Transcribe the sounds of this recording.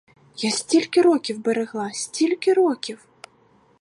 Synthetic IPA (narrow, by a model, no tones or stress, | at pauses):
jasʲt͡sʲilʲkʲiɾɔkʲiwbɛɾɛɣlˠasʲt͡sʲilʲkʲiɾɔkʲiw